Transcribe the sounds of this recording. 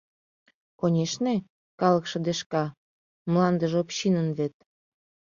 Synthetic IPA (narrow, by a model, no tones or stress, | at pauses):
konʲeʃne | kɑlə̆kʃɤ̆d̪eʃkɑ | mlɑnd̪əʒopɕinənβet̪̚